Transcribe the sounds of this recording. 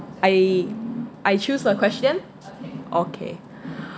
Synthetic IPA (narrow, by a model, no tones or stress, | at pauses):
ʔaj | ʔajt͡ʃusəkʰwɛstə̃n | ʔokʰḛ